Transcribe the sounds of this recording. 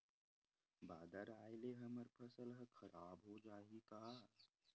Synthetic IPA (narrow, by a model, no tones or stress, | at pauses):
baːd̪əɾaːjɪleɦɐməɾpʰɐsəlɦəxʰɐɾaːbɦod͡ʒaːɦikaː